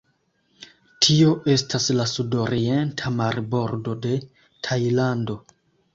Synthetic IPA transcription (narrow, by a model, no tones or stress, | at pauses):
tʰio̞ʔe̞stʰaslasudo̞ɾie̞ntʰamaɾbo̞ɾdo̞de̞ | tʰajlando̞